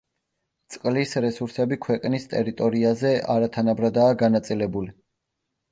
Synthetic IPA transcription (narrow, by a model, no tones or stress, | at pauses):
t̪sʼqʼlisɾɛsuɾsɛbikʰwɛqʼnist̪ʼɛɾit̪ʼɔɾiazɛʔaɾat̪ʰanabɾad̪aːɡanat̪sʼilɛbuli